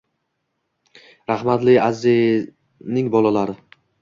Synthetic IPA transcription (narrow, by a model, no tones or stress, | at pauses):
ɾahmat̪lɪazɪz | nɪŋbɒlˠalaɾɪ